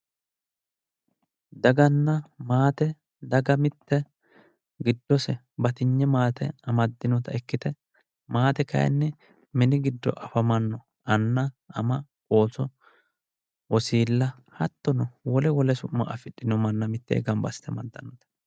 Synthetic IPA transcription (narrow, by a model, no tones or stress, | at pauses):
d̪ɐɡɐnːɐmaːt̪ɛ | d̪ɐɡɐmɪt̪ːɛ | ɡɪd̪ːɔsɛ | bɐt̪ɪɲːɛmaːt̪ɛɐmɐd̪ːɪnɔt̪ɐɛkːɪt̪ɛ | maːt̪ɛkɐ̰jɛ̰nːɛ | mɪnɪɡɪd̪ːɔ̰ʔɐfɐmɐnːɔ | ɐnːɐɐmɐkʼo̞ːsɔ | ʔɔsiːlːɐ | hɐt̪ːɔnɔwɔlɛwɔlɛsʊmːɐ̰ʔɐfɪɗːɪnɔmɐnːɐmɪt̪ːɛ̰ɛ̰ɡɐmbɐst̪ɛmɐd̪ːɐnːɔt̪ɛ̥